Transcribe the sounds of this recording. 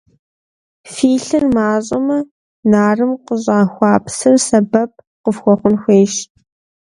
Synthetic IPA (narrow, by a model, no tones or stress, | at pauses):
fiːɬɨrmaːɕʼɐmɐ | naːrɨmqəʑʼɑːxʷɑːpsɨrsɐbɐp̚ʰ | qəfxʷɔχʷʊnxʷeːʃ